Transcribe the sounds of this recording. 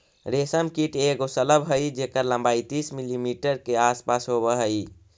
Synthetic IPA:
ɾesəmkiʈeɡosələbɦəjd͡ʒekəɾləmbajt̪ismilimiʈəɾkeaspasɦobəɦəj

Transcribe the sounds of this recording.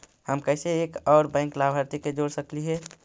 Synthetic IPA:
həmkəseekɔːɾbɛ̃ɪ̃ŋklabʱəɾt̪iked͡ʒoːɽsəkliɦɛ

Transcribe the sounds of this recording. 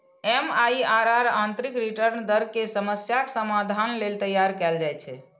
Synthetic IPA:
ɛmaiaɾaɾant̪ɾikɾiʈəɾnd̪əɾkesəməsjaksəmad̪ʱanlelt̪əjaɾkɛld͡ʒajt͡ʃʰɛ

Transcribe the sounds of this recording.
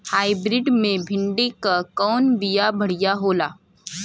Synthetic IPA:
haːɪbɾɪɖmẽbʱɪ̃ɳɖikakɔːnbijabʱɐɽ̤ijaɦoːlaː

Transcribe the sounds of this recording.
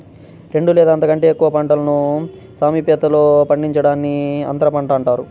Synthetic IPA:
ɾe̞ɳɖulɛːd̪ɐːnt̪ɐkɐɳʈe̞ːkːuʋɐpɐɳʈɐlɐnu | saːmiːpjɐt̪ɐlo̞ːpɐɳɖiɲt͡ʃɐɽaːnːiɐ̰nt̪ɐɾɐpɐɳʈɐːɳʈaːɾu

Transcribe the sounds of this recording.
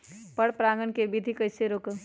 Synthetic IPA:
pɐɽpɾaːŋɡənkebid̪ʱikɐɪseɾoːkə

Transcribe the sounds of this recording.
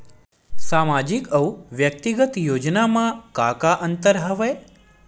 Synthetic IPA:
samad͡ʒikəwʋjək̚t̪iɡət̪jod͡ʒnamãkakaʔənt̪əɾɦəʋe

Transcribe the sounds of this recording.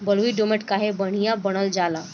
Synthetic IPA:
bəlʋiɖomeʈkaɦebəɽ̤ijabəɽ̃əld͡ʒala

